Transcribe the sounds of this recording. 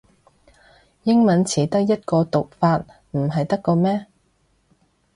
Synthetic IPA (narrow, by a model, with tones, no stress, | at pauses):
jɪ˥ŋmɐ˨˥nt͡sʰiː˨˥t̪ɐ˥k̚jɐ˥t̚kɔː˧t̪ʊ˨k̚faː˧t̚ | m̩˨˩ɦɐ˨jt̪ɐ˥kːɔː˧mɛː˥